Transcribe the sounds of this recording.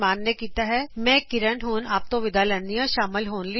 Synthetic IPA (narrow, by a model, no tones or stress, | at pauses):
maːnːekiːt̪aɦɛmɛ̃ːkɪɾəɳɦuːnaːp̚t̪õʋɪd̪alenijãʃaːmɪlɦoːnli